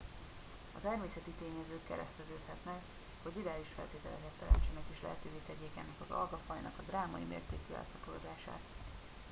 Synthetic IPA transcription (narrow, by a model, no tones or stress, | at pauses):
ɒt̪ɛrmeːsɛt̪it̪eːɲɛzøːkːɛ̰ɾɛst̪ɛzøːt̪hɛt̪nɛk | ho̞ɟd̪iɾaːliʃfɛ̰lt̪eːt̪ɛlɛkɛt̪ːɛɾɛ̰nt͡ʃɛnɛkeːʃlɛ̰ɦɛt̪øːveːt̪ɛɟeːka̰ːnɛkɒzɒ̰lɡɒfɒjnɒkɒd̪raːmɒ̰ḭmḛːrt̪eːkyːɛ̰lsɒpoloːd̪aːʃa̰ːt̪